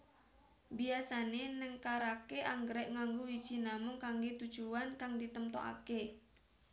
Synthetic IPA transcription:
biasanenəŋkaɾakeʔaŋɡɾɛʔŋaŋɡowid̥ʒ̥i̤namʊŋkaŋɡet̪ud̥ʒ̥uankaŋd̪it̪əmt̪o̰ʔa̰ke

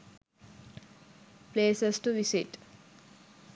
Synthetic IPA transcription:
pleːsəsʈuʋisiʈ

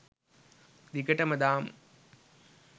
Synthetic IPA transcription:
d̪ikɐʈɐmɐd̪aːm

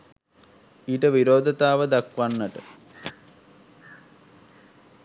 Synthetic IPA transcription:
iːʈəʋiɾoːd̪ʱət̪aːʋəd̪akʋanːəʈə

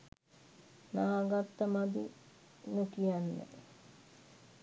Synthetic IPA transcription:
naːɡat̪ːəmad̪ḭ | nukijanːə̰

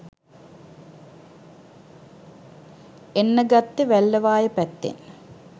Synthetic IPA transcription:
enːəɡat̪ːəʋælːəʋaːjəpæt̪ːḛn

